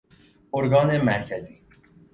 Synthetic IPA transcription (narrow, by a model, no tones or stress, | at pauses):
oɾɡɒːnemæɾcʰæziː